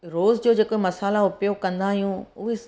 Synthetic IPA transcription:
ɾoːzd͡ʑoːd͡ʑeːkomɐsaːlaʊpijokɐ̃nd̪aːɦijũʊɦe

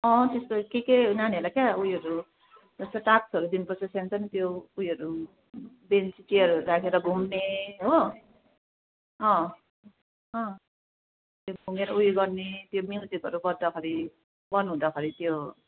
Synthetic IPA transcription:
ʌ̃t̪est̪okekenaneɦʌlakjaujɦʌɾu | d͡zʌst̪ʌʈaksʌɾud̪inpʌsʌsant͡sʌnit̪joːjɦʌɾu | bent͡sit͡ʃiʌɾuuɾakʰeɾʌbʱumneɦo | ɦʌ̃ | ɦʌ̃ | t̪jobʱuŋeɾʌujɡʌɾnet̪jomilsikʌɾubʌdd̪akʰʌɾi | bʌnuɦũd̪akʰʌɾit̪jo

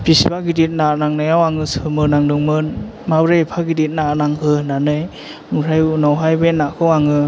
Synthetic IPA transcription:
pisibaɡidit̚nanaŋnajawaŋɯsɯmɯnaŋdɯŋmɯ | mabɾepʰaɡidit̚nanaŋhɯnanɯj | muɾajunɔwɦajbenakʰɯwaŋɯ

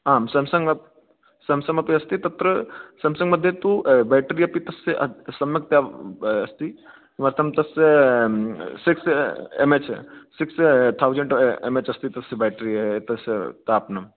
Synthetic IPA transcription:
aːmsɐmsɐŋɡɐ | sɐmsɐmɐpiɐst̪it̪ɐt̪ɾəsɐmsɐŋɡmɐd̪ʱːjet̪ubaːjʈɾiːɐpit̪ɐseʔɐsɐmjɐk̚t̪jaɐst̪i | mɐɾt̪ʰɐmt̪ɐse | siksemet͡ʃsikst̪ʰawd͡ʒeɳʈḛmet͡ʃɐst̪it̪ɐsebaːʈɾiːɐt̪ɐst̪apnɐm

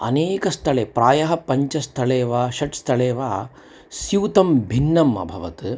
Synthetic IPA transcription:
ɐ̰neːkɐst̪ʰɐɭeːpɾaːjɐɦɐpɐɲt͡ʃɐst̪ʰɐɭeːʋaːʃɐʈst̪ʰɐɭeːʋaː | sjiʋt̪ɐmbʱinːɐmɐ̰bʱɐʋɐt̪ɨ

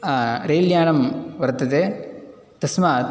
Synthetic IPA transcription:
ɾeːljaːɳɐmʋɐɾt̪ːɐðe | t̪ɐsmaː

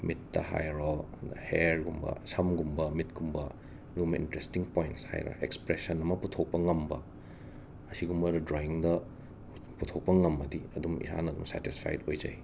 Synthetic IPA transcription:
mitːɐha̰jɾodheɾɡumbɐ̰sɐmɡumbɐmitɡumbɐ | ɾumḭntɾestiŋpojntsha̰jɾɐ̰ekspɾesɐnɐmɐputʰok̚pɐŋɐmbɐ | ɐsiɡumbɐɾɐdɾoiŋdɐ | putʰok̚pɐŋɐmːɐdiɐdumḭsa̰nɐdumsɛ̰tispʰa̰jtojd͡ʒɐ̰j

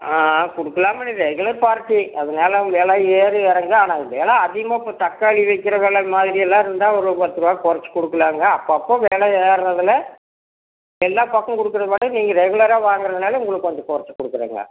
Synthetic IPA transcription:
aːkɔɽɯkːɐlaːmɐniɾɛɣɯlɐɾpaːɾʈːiɐðɐnaːlɐʋeːɭɐeːɾɯɛɾɐŋɡɐaːnaːʋeːlɐɐðɪjɐmaːɪpːoːt̪ɐkːaːɭiʋɐɪkːɪɾɐʋeːɭɐmaːðɪɾiɛlːãːɪɾɯnd̪aːɔɾɯpɐt̪ːɯɾɯʋaːkɔɾɐt͡ʃːɯ̥kɔɽɯkːɯlaːŋɡɐːpːoɐpːoːʋeːɭɐeːɾɾɐðɪlɐ | ɛlːaːpakːɐ̃kɔɽɯkːɯɾɐðɐpɐɽɯniːŋɡɐɾɛɣʊlɐɾaːʋaːŋɡɪɾɐðɐnaːlɐʊŋɡɭɐkɔɲd͡ʒɐ̃kɔɾɐt͡ʃːɯ̥kɔɽɯkːɯɾḛːŋɡɐ̰

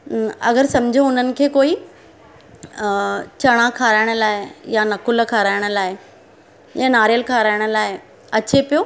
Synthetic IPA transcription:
ɐ̰ɡəɾsɐ̃md͡ʑʱũʊn̤ənɪ̆kʰeːkoːi | t͡ɕɐɽ̃akʰaːɾaːɪɽ̃əlaːejanɐkʊlkʰaːɾaːɪɽ̃ə̆laːɪ | jãnaːɾjəlkʰaɾaːɪɽ̃ə̆laːɪe | ɐt͡ɕepijo

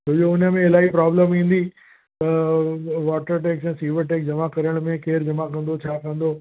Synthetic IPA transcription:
t̪oːjoʊnəmẽɪlaːipɾaːbləmĩːn̆d̪i | t̪ɐ | ʋaːʈəɾʈeːksɛ̃ːsiːʋəɾʈeːk̚d͡ʑɐmakɐɾəɽ̃mẽkeːɾd͡ʑɐmakɐ̃nd̪ot͡ɕʰaːkɐ̃n̆d̪oː

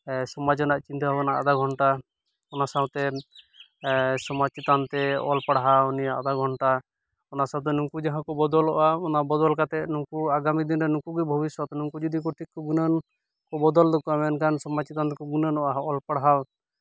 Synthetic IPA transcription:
sɔmad͡ʒɔnaʔt͡ʃint̪ababɔnaʔa̰d̪aɡʱɔɳʈa | ɔnasawt̪ɛ | sɔmat͡ʃit̪ant̪ɛɔ̰lpaɽɦawnijaʔa̰d̪aɡʱɔɳʈa | ɔnasawt̪̬ɛnuŋkud͡ʒaɦãkɔbɔd̪ɔlɔʔaɔnabɔd̪ɔlkat̪ɛʔnuŋkuaɡamid̪inɾɛnukuɡibʱɔbiswɔt̪ɔnuŋkud͡ʒɔd̪ikɔʈʰikːɔɡunən | kɔbɔd̪ɔld̪ɔkɔamɛnkansɔmat͡ʃit̪ant̪ɛkɔɡunənɔʔaɔlpaɽɦaw

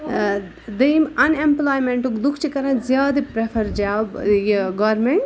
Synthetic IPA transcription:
d̪ɐjmɐnẽmplaːjmẽɳʈukd̪ukʰt͡ʃikɐɾãzjaːd̪ipɾepʰɐɾd͡ʒaːbjeɡaːɾmẽɳʈ

